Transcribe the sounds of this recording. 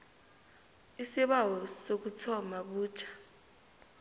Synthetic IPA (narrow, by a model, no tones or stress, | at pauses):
isiɓawɔsok̬ut͡sʰɔmaɓuːt͡ʃʰḁ